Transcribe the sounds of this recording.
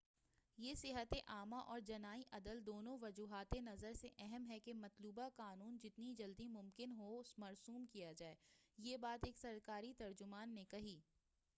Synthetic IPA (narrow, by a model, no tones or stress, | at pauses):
jeːsɪɦət̪eʔaːmaʔɔːɾd͡ʒɐnaːiʔɐd̪əld̪oːnõʋɐd͡ʒuːɦaːt̪enɐzəɾseʔɛɦɛmɦɛkemɐt̪luːbakaːnuːnd͡ʒɪt̪nid͡ʒɐld̪imʊ̃mkɪnɦoʊsmɐɾsuːmkijad͡ʒaːeːjeːbaːt̪eːksɐɾkaːɾit̪ɐɾd͡ʒʊmaːnːekɐɦiː